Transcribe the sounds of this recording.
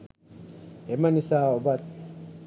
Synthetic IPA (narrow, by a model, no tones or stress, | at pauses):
emɐnisaːobɐt̪̚